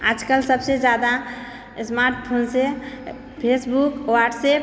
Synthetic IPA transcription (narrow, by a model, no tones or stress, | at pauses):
a̰d͡ʒkəlsəbsed͡ʒad̪a | smaɾʈpʰonse | pʰesbukwaʈsep